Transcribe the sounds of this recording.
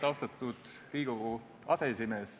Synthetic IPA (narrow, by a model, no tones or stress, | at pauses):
t̪ɑost̪ɑt̪ːˑud̪̥ | riːɡ̥u | ɑ̰sesimes